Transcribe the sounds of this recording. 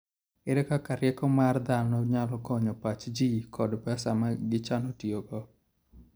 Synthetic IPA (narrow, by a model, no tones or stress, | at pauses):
ɪɾɛkakaɾjɛkɔmard̪anɔɲalɔkɔɲɔpat͡ʃd͡ʒikʰɔdbasamaɡɪt͡ʃanɔtioɡɔ